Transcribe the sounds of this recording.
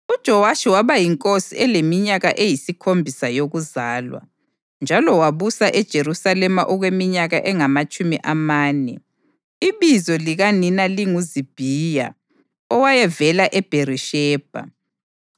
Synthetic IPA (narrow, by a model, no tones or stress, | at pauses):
ud̥ʒ̥ʱɔwaʃiwaβajiŋkʼosḭɛlemiɲaɣaʔejisikʰombʱisajoɣuzaːlwa̰ | nd͡ʒʱalɔwaβusaʔɛd̥ʒ̥ʱeɾusalɛma̰ʔɔɣwemiɲaɣaʔɛŋamat͡ʃʼumḭʔamaːnɛ | iβizɔliɣaninaliŋuzib̥ʱija̰ | ɔwajɛvɛlaʔɛb̥ʱeɾiʃɛːb̥ʱa̰